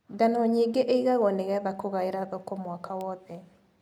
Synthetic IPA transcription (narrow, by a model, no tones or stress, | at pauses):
ɡanɔɲiɡeʔeiɣaɣɔneɣɛðakoɣaeɾaðokomwakawɔðɛ